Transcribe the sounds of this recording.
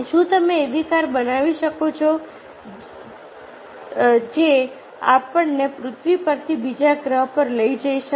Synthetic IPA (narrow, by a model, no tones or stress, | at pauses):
ʃũt̪əmeːd̪ikaɾbənaʋiʃəkot͡ʃʰo | d͡ʒe | apəɳnepɾʊt̪ʰʋipəɾt̪ʰibid͡ʒaɡɾəɦpəɾləid͡ʒəiʃə